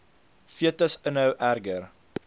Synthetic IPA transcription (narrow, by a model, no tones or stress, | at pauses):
fiətəsənɦəwʔærɡər